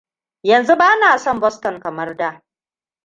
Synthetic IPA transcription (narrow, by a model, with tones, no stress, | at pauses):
jɐ˨nzu˦baː˦naː˨sɔ˦mbɔ˦stɔ˨ŋkɐ˨mɐ˦rda˦